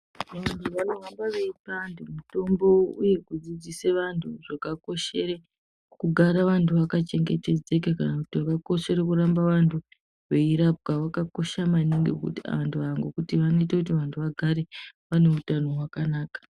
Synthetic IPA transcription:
ʋantʰuʋanorambaʋe̞ipandimuto̞mbo̞uje̞kud͡zid͡ziseʋantʰuʐakako̞ʃe̞ɾe | kuɡʱaɾaʋantʰuʋakat͡ʃe̞ŋɡete̞d͡ze̞kakanakutiʋakako̞ʃe̞ɾekuɾambaʋantʰu | ʋe̞iɾap̚ɡawakako̞ʃamaniŋɡekṵta̰ʋantʰuʋaŋɡokutiʋanoitekutiʋantʰuʋaɡʱaɾe̞ʋane̞utano̞ɦwakanaːkḁ

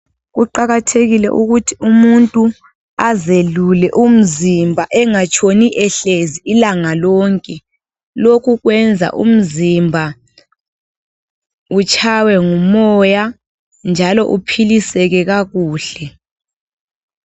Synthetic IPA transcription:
ɣuǃaɣatʰeɣilɛ̰ʔuɣutʰiumuntʼu | azelulɛʔum̩zimbʱaʔɛŋat͡ʃʼʰoniʔɛɬeziːlaŋalɔːŋkʼɛ | lokʰuɣwɛnd͡zʱa̰ʔṵm̩zimbʱa | ut͡ʃʰʼawɛŋumɔja | nd͡ʒʱalɔ̰ʔupʰilisɛɣɛɣaɣuːɬɛ

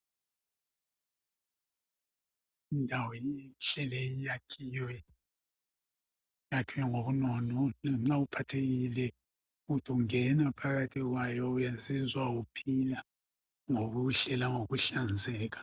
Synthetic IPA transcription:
indʱawɔʃɛlɛjijakʰijwɛ | jakʰijɛŋoβunɔnɔnam̩ŋ͡ǁaupʰatʰeɣilɛ | ɣutʰːŋɛnapʰaɣatʰiɣwajɔujazizwaɣupʰila | ŋoɣuɬɛlaŋoɣuɬand͡zʱɛːkḁ

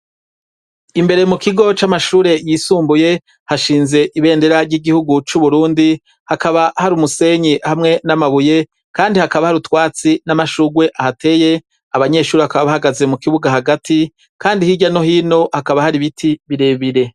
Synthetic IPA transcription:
imbe̞ɾemukiɡo̞t͡ʃamaʃuːɾe̞jisuːmbuje̞ | haʃiːnze̞ʔiβe̞ːndeɾaɾɟiɡihuɡut͡ʃuβuɾuːndi | hakaβahaɾumuse̞ɲihamŋe̞namaβuje̞ | kaːndihakaβahaɾutwaːt͡sinamaʃuɡwe̞ʔahate̞ːje̞ | aβaɲe̞ːʃuːɾihakaβaβahaɡaze̞mukiβuɡahaɡatʰi | kaːndihiɟano̞hiːno̞hakaβahaɾiβitʰiβiɾe̞ːβiɾe̞

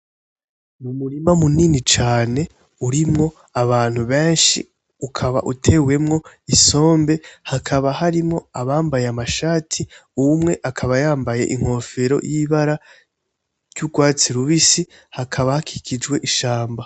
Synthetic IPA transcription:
mumuɾimamuninit͡ʃaːne̞ | uɾimŋo̞ | aβaːn̥huβe̞ːnʃḭ | ukʰaβa̰ʔutʰe̞we̞mŋo̞iso̞ːmbe̞hakʰaβahaɾimŋo̞aβaːmbajeamaʃaːtʰiumŋe̞ʔakʰaβajaːmbaje̞̰ʔiŋ̥ho̞fe̞ɾo̞̰jiβaɾa | ɾjuɡwaːt͡siɾuβisi | hakʰaβahakʰi̥kʰid͡ʒɡwe̞ʔiʃaːmba

